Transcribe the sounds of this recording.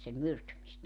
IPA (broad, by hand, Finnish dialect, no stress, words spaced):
sem myrtymistæ